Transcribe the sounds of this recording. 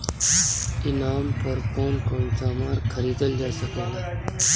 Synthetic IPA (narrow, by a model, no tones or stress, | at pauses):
inampəɾpoːnkoɳt̪amaɾkʰəɾiːd̪əld͡ʒasəkela